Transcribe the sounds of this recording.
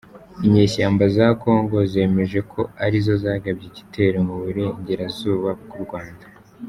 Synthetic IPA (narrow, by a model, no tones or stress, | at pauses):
iɲe̞ːʃaːmbazako̞ːŋɡo̞ze̞ːme̞ʒe̞kʰo̞aɾizo̞zaːɡabjiɟi̥tʰe̞ɾomuβuɾe̞iɲɟe̞ɾazuːβaɡuɾɡwaːnda